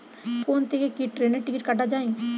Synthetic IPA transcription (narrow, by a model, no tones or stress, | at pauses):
koːnt̪ekekiʈɾeːneʈɪkɪʈ̚kɐʈad͡ʒaːẽː